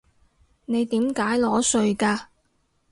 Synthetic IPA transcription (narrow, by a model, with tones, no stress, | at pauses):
ne˨˧jt̪iː˨˥mkaː˨˥jlɔː˨˥sɵ˧ɥkaː˧